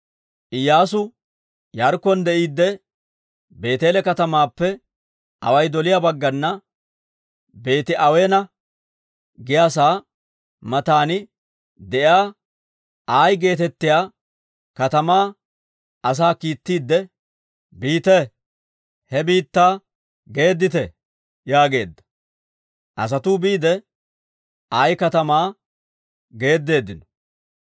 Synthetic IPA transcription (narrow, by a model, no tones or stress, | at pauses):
ʔɪjːaːsʊ | jɐɾkːɔnd̪ɛʔiːd̪ːɛ | be̞ːt̪e̞ːlɛkɐt̪ɐmaːpːɛ | ʔɐ̰wɐjd̪ɔlɪjabɐɡːɐnːɐ | be̞ːt̪ɪʔɐweːnɐ | ɡɪjaːs̬aː | mɐt̪aːnɪ | d̪ɛʔɪaː | ʔaːjɡe̞ːt̪ɛt̪ːɪjaː | kɐt̪ɐmaː | ɐs̬aːkiːt̪ːiːd̪ːɛ | biːt̪ɛ | hɛbiːt̪ːaː | ɡe̞ːd̪ːɪt̪ɛ | jaːɡe̞̰ːd̪ːɐ̥ | ʔɐ̰s̬ɐt̪uːbiːd̪ɛ | aːjkɐt̪ɐmaː | ɡe̞ːd̪ːe̞ːd̪ːɪnɔ̥